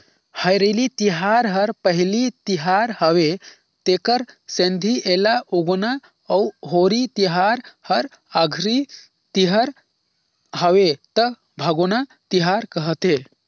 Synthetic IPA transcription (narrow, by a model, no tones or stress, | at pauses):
həjɾelit̪iɦaɾɦəɾpəɦilit̪iɦaɾɦəʋe | t̪ekəɾsẽnd̪ʱiʔelaʔoɡona | əuɦoɾit̪iɦaɾhəɾ | əɡʱɾi | t̪iɦəɾ | ɦəʋet̪ə | bʱəɡonat̪iɦaɾkəɦət̪e